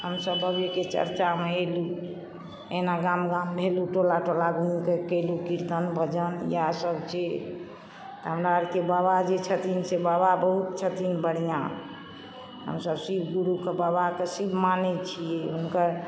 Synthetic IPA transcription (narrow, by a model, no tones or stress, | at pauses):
həmsəbəbeket͡ʃə̰ɾt͡ʃameelu | enaɡamɡambʱeluʈolaʈolaɡʱunkekelukiɾt̪ənbʱəd͡ʒənjasəbt͡ʃe | t̪əɦəmɾaəɾkebabad͡ʒet͡ʃʰət̪insebababəɦut̪̚t͡ʃʰət̪inbəɽ̤jã̰ | ɦə̰msəbsibʱɡuɾukebabakesibʱmanɛt͡ʃʰijɛɦunkəɾ